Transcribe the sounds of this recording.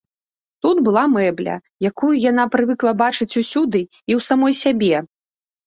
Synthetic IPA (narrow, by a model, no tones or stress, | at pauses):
t̪ud̪bɨlˠamɛblʲɐ̰ | jakujujanapɾɨvɨklˠɐbat͡ʂɨt͡sʲusʲud̪ɨ | iwsamɔjsʲabʲɛ